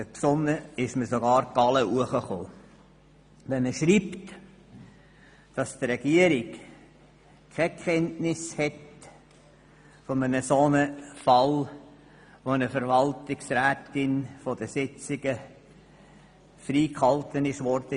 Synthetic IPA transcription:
əpsʊnːəɪʃməsoɡɑːɾɡ̥ɑləuəχəχoː | ʋɛnəʃɾipt | d̥ɑst̪ɾɛɡ̥iəɾɪk | kʰɛkʰχɛntnɪshɛt | fomənəsonəfɑl | ʋoənəfəɾʋɑltɪksræːtɪnfɔd̥əsɪt͡sɪɡ̥ə | fɾiːkhɑltənɪʃʋɔɾd̥̪ə

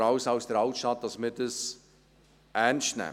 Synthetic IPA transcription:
ɑʊsawsd̥əɾɑltʃtɑt̪̚dɑsmɪdəs | ʔɛnʃtnɛ̰

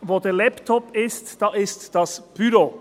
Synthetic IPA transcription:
voːdeːlɛptʰɔpɪstd̥ɑːʔɪstd̥ɑsb̥yɾo

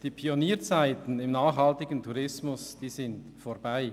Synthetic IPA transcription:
d̥iːpʰioniːɐt͡saɪtn̩ɪmnaːχhaltɪɡəntʰuʁɪsmʊsd̥iːzɪnt | foːɐb̥aɪ

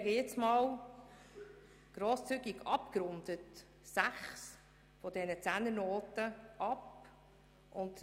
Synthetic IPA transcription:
ɛɡəjɪt͡smɑːw | ɡ̥ɾoːst͡syɡiɡɑpkɾʊnd̪ət | sæχs | fɔdɛnət͡sænənoːtəʔɑp | ʔʊnt

